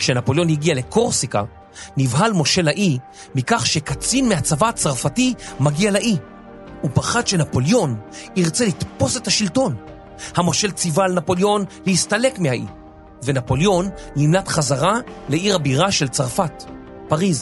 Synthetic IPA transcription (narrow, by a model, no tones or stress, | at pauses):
kʃenapo̞ljo̞nhiɡiale̞kʰo̞ʁsika̰ | nivɦalmo̞ʃe̞laʔi | mikaχʃekat͡sinmeat͡savat͡saʁfatimaɡialaʔi | upaχadʃe̞napo̞ljo̞niʁt͡selit̪po̞se̞thaʃilto̞n | hamo̞ʃe̞lt͡sivalnapo̞ljo̞nlehistale̞kmehaʔḭ | venapo̞ljo̞nːimlat̪χazaʁale̞ʔiʁabiʁaʃelt͡saʁfat | paʁiz